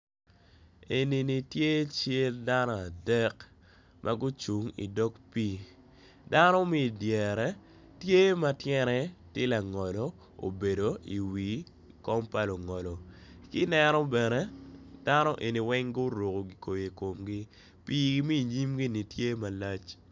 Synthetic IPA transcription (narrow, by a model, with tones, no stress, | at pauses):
e˨ni˨ni˨tje˦t͡ʃe˦lda˦nɔ˦a˨dɛ˦k | mʔa˨ɡʊ˦t͡ʃu˨ŋḭ˨dɔ˦kpiː˦ | da˦nɔ˦mi˦˨djɛ˨ɾɛ˨ | tje˦ma˦tjɛ˦ɾɛ˦tɪ˦la˨ŋɔ˨lɔ˨ | o̰˨be˨do˨ḭ˨wi˨ | kɔ˦mpa˦lo˨ŋɔ˨lɔ˨ki˦nɛ˦nɔ˦bɛ˨nɛ˦d̥a˦nɔ˦ʔe˨ni˨wɛ˦ŋɡʊ˦ɾo˨ko˨ɡi˨ko˨je˨ko˨mɡi˦ | piː˦ɡmi˦˨ɲi˦mɡi˦ni˨tje˦ma˨la˦t͡ʃ